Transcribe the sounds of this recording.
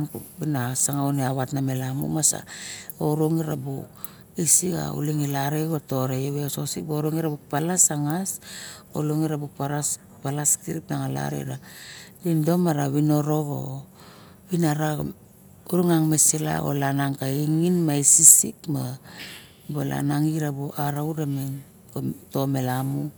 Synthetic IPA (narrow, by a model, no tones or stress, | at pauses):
nbinasaŋauneaβatname̞lamṵmasa̰oɾoŋiɾabṵ | isika̰ṵliŋilaɾeɡato̞ɾejoβeososik̚boɾoŋiɾabuk̚palasaŋaso̰loŋiɾabuk̚paɾas | palaskiɾipnaŋala̰ɾḛɾadindo̞maɾaβino̞ɾo̞ɡo̰ | βinaɾa | uɾuŋaŋmesela̰o̰lanaŋkaiŋinmaisisikma | bola̰naŋiɾaboʔaɾauɾamen | oto̞melamu